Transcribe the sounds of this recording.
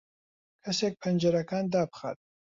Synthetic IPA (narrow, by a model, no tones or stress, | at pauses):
kʰɐseːk̚pʰɨnd͡ʒɐɾɐkaːnd̪aːbɨ̥xa̰t̪̚